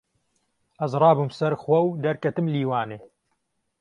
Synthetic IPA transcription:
ʔɐzrˤɑːbumsɐɾxwɐwd̪ɐɾkɐt̪ɨmliːwaːneː

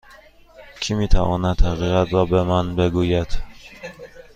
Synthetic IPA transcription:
cʰimiːt̪ʰævɒːnæt̪hæɣiːɣæt̪ʰɾɒːbemænbeɡuːjæd̪̥

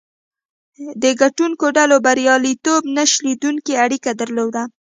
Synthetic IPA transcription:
d̪əɡaʈuŋkoɖalobaɾjɑlit̪obnaʃlid̪uŋkeaɽikad̪aɾlod̪a

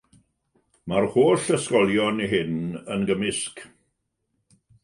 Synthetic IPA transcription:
marhoːɬəskɔlˠjɔniɦɪnənɡəmɪsk

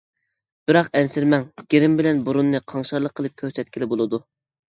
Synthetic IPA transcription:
b̥ɪɾɑqɛnsɪɾmɛŋɡ̥ʲeɾɪmbɪlɛnbuɾunːɨqʰɑŋʃɑɾlˠəqʰːəlˠɨp̚kʲʰøɾsɛt̪kʲilɪbolˠɨd̪u

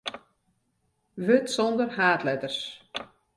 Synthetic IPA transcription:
vʏt̪sownd̪əɾhaːt̪lɛːt̪ər̥s

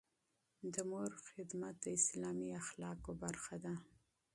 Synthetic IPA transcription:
d̪əmoɾxɪd̪mat̪̚d̪əɪslɑmiaxlɑkobaɾxad̪a

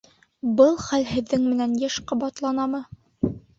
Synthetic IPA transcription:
bɤlˠχælɦɘ̆ðːɘŋmɘ̆nænjæʃqŏbɑt̪lˠɑnɑmɤ

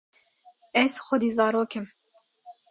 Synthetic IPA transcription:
ɛz̥xʊd̪iːzɑːɾoːkɨm

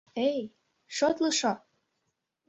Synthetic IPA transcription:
ej | ʃot̪lɤ̆ʃo

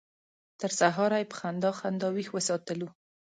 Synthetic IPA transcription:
t̪əɾsaɦɑɾajpə̥xand̪ɑxand̪ɑwixwəsɑt̪əlu

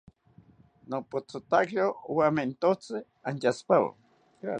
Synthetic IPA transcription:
nopot͡sot̪akt͡ɬowament̪ot͡sɪ | anjaspawa̰

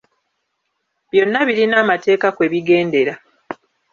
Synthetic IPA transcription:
βjo̞nːaβiɾinaːmate̞ːkakwe̞ːβiɡe̞ːnde̞ɾa

